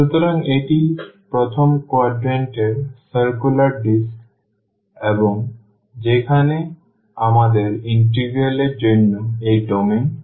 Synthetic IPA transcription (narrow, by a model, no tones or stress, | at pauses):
ʃut̪oɾaŋeʈipɾot̪ʰomkoaɖɾeɳʈeɾsəɾkulaɾɖisk | eboŋ | d͡ʑekʰane | amad̪eɾiɳʈiɡɾieled͡ʑonːoejɖomen